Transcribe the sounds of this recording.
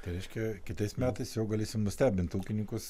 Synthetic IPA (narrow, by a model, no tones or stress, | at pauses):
t̪ɐɪɾʲɛɪʃʲkʲɛkʲɪt̪ɐɪsmʲæːt̪ɐɪsjɛʊɡɐlʲeːsʲɪmnʊsʲt̪ʲæːbʲɪnt̪uːkʲɪnʲɪŋkʊs